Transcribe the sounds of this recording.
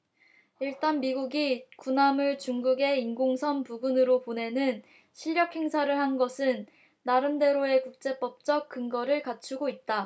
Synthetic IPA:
iɭt͈anmiɡuɡikunamɯɭt͡ɕuŋɡuɡe̞inɡoŋsʰʌnpuɡunɯɾopone̞nɯn | ɕʰiʎːjʌk̚he̞ŋsʰaɾɯɭhanɡʌsʰɯnː | aɾɯnde̞ɾoe̞kuk̚t͡ɕ͈e̞p͈ʌp̚t͡ɕ͈ʌk̚k͈ɯŋɡʌɾɯɭkat͡ɕʰuɡoit̚t͈a

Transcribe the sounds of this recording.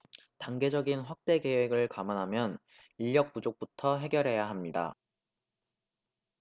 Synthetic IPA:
taŋɡe̞d͡ʑʌɡinɸwak̚t͈e̞ke̞weɡɯɭkamanɦamjʌn | iʎːjʌk̚pud͡ʑok̚p͈utʰʌɦe̞ɡjʌɾɦe̞jaɦamɲida̰

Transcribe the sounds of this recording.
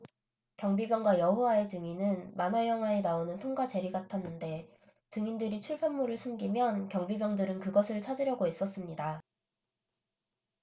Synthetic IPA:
kjʌŋbibjʌŋɡwajʌɦowae̞tɯŋinɯnmanajʌŋɦwaenaonɯntʰoŋɡad͡ʑe̞ɾiɡatʰanːɯnde̞ | tɯŋindɯɾit͡ɕʰuɭpʰʌmːuɾɯɭsʰumɡimjʌnkjʌŋbibjʌŋdɯɾɯnkɯɡʌsʰɯɭt͡ɕʰad͡ʑiɾjʌɡois͈ʌs͈ɯmɲida

